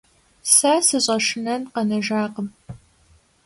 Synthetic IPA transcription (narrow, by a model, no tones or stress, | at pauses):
saːsɨɕʼɐʂɨnɐnqɐnɐʒaːqəm